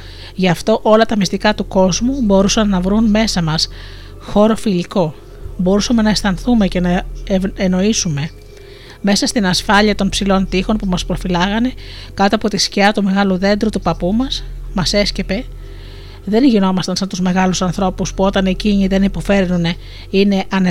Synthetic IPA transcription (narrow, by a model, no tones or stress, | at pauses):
ʝɐft̪o̞ʔo̞lɐt̪ɐmist̪ikɐt̪uko̞zmubo̞ɾusɐnːɐvɾunme̞sɐmɐs | xo̞ɾo̞filiko̞ | bo̞ɾusɐme̞nɐest̪ɐnθume̞ce̞nɐeeno̞isume̞ | me̞sɐst̪inɐsfɐʎiɐt̪o̞npsilo̞nt̪ixo̞npumɐspɾo̞filɐɣɐne̞kɐt̪oɐpo̞t̪isciɐt̪ume̞ɣɐluðe̞nd̪ɾut̪upɐpumɐsmɐse̞sce̞pe̞ | ðe̞nʝino̞mɐst̪ɐnsɐnt̪uzme̞ɣɐlusɐnθɾo̞puspuo̞t̪ɐneciɲiðe̞nipo̞fe̞ɾnune | ine̞ʔɐn